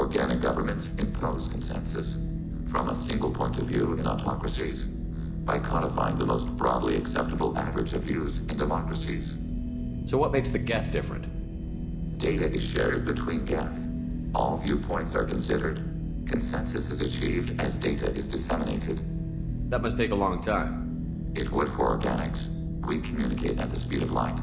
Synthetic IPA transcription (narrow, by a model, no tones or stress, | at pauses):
ɔɹɡænɨk̚ɡ̥ʌvə˞mɨ̃ntsɨ̃mpʰoʊz̥kʰn̩sɛ̰̃nsɨs | fɹʌ̰̃məsɪ̃ŋɡl̩ˠpʰɔ̃ɪ̃ntʌvjʉɨ̃nɔ̰tʰɑkɹɨsiz̥ | b̥aɪkʰɑɾəfa̰ɪɪ̃ŋðəmoʊstb̥ɹɔdˡlḭɨksɛp̚təbl̩ˠævɹɨd͡ʒʌvjʉzɨ̃ndɨmɑkɹɨsiz̥ | soʊwʌt̚meɪksðɨɡɛθd̥ɪfɹɨ̰̃nt̚ | d̥eɪɾɨʔɨz̥ʃɛ̰ɹd̚bɨtʰw̥ĩnɡɛθ | ʔɔlˠvjʉpʰɔ̃ɪ̃ntsə̰˞kʰn̩sɪɾə˞d̚ | kʰn̩sɛ̃nsɨsɨzɨt͡ʃʰivdɨzdeɪɾɨ̰ʔɨzdɨsɛməneɪɾɨd̥ | ðət̚mʌstʰeɪkəlɔ̃ŋtʰãɪ̃m | ɪt̚wəd̚hɔ̰ɡæ̰nɨks | wikʰm̩jʉnɨkʰeɪɾɨ̰t̪̚ðəspiɾʌvla̰ɪt